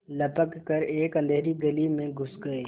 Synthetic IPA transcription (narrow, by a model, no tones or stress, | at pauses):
lɐpəkːɐɾeːkə̃nd̪ʱeːɾiɡɐlimẽɡʱʊsɡɐeː